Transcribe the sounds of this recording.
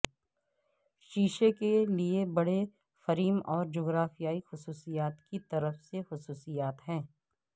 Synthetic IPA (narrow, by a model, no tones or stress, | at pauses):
ʃiːʃekeliebɐɽe | fɐɾiːmɔːɾd͡ʒoːɡɾaːfijaːixʊsuːsijaːt̪kit̪ɐɾəfsexʊsuːsijaːt̪ɦɛ̃ː